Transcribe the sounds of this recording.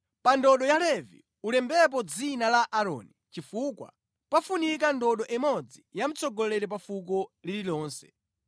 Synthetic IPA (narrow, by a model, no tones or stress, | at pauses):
pandɔɗɔjalɛvḭ | ulɛmbɛp̬ɔd͡zinalaʔaɾɔ̰ːnit͡ʃifukwa̰ | pafunik̬andɔɗɔʔɛmɔd͡zijam̩t͡sɔɡɔlɛɾɛp̬afuk̬ɔlililɔːnsɛ̰̥